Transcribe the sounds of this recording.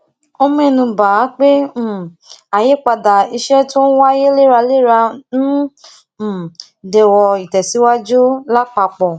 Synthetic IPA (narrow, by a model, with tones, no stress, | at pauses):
o˧mĩ˦ɛ˧nũ˧ba˨˦k͡pẽ˦˨ | a˨je˨˦k͡pa˧da˨i˧ʃɛ˦to˦n̩˦wa˦je˦le˦˨ɾa˧le˦˨ɾa˧ñ̩˦˨ | dɛ˨wɔ˧i˨tɛ˨si˨˦wa˦d͡ʒu˦la˦k͡pa˧k͡pɔ˨